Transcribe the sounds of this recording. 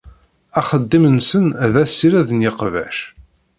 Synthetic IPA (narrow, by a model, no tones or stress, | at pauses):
æχəd̪ːimənsənðæsːiɾæðənjɪqvæ̰ʃ